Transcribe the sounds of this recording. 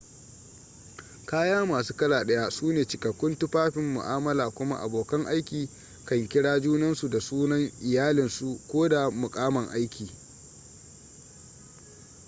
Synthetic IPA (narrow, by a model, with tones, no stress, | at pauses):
kaː˦jaː˦maː˨s̬uː˦kɐ˦laː˨ɗɐ˦ja˦suː˦neː˨t͡ʃɪ˨kɐ˨kʷːʊ˦ntʊ˦ɸaː˦ɸɪ˨mːʊ̰˨ʔaː˦mɐ˦laː˨kʷʊ˦ma̰˦ʔa̰˨boː˨kɐ˦ŋʔa˦jkʲiː˨ | kɐ˦ŋkʲɪ˦ɽaː˦d͡ʒuː˦nɐ˦nsu˨da˨suː˦nɐ˦ŋʔɪ˨jaː˦lɪ˨nsu˨kʷoː˦da˨mʊ˨kʼaː˦mɐ˨ŋʔa˦jkʲiː˨